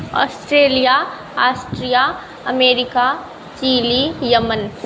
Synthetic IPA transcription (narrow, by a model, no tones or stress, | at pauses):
ɔ̰ːsʈɾeːlija | aːsʈɾija | ɐmeːɾɪka | t͡ʃiːlijɐmən